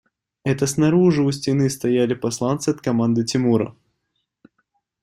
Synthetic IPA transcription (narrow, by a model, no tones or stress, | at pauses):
ɛt̪əsnɐɾuʐɨʊsʲtʲɪnɨst̪ɐjalʲɪpɐslˠant̪sɨɐt̪̚kɐmand̪ɨtʲɪmuɾə̰